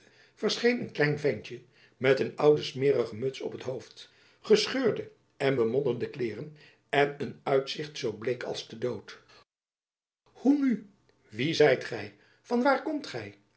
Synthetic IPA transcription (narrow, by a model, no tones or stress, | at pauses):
v̥əɹsχejnənklɛjnvɛɲt͡ʃə | mɛtənʌwdəsmɪːrəχəmɵtsɔ̰pətɦowft | χəsχøːɹdə | ʔɛnbəmɔndəndəklɪːrən | ɛnənœɥtsɪχtsowblejkɑ̰lˠsdədowt | huny | ʋizɛjtχɛj | v̥ɑnʋaːɹkɔmtχɛj